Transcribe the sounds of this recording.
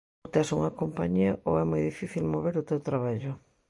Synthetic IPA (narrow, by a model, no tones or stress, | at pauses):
t̪ɛsuŋɐkompa̰ɲiɐʔoɛmojðifiθilmoβeɾʊt̪ewt̪ɾaβaʎʊ